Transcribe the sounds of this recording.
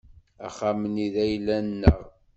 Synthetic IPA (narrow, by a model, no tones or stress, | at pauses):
æ̰χaməniðæjlːænːəʁ